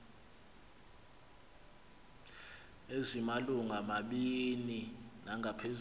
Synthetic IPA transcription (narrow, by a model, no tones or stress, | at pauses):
ezimaluŋamaɓininaŋʱapʰez